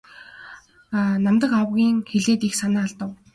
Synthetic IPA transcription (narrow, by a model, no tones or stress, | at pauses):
namt̪ə̆kawɣʲiːŋxeɮeːt̪ixsanaːɮt̪ə̆w